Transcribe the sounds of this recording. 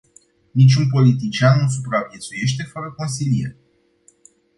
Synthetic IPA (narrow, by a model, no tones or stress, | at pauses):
nit͡ʃʲunp̬o̞lit̪it͡ʃianːus̬upɾavje̞t̪suje̞ʃt̪e̞fəɾəko̞nsilijḛrʲ